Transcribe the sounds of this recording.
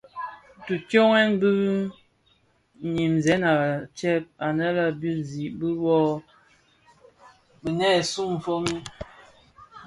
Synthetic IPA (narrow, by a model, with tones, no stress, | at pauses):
tu˨tjo˦ŋɛ˦nbɨ˦ | ɲi˨mzɛ˦na˨t͡ʃɛ˦p̚a˨nə˦la˦bu˦n˨zi˨ʔbə˦wɔ˦ | bə˨nɛ˦˨su˦ɱ̩˨fo˦mi˦